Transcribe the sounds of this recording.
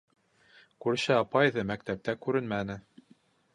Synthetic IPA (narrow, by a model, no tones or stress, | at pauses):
kʉɾɘ̆ɕɘɑpɑjðɤmækt̪æp̚t̪ækʉɾɘnmænɘ